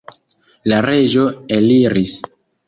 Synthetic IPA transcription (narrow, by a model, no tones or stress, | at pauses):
laɾe̞d͡ʒo̞eliɾis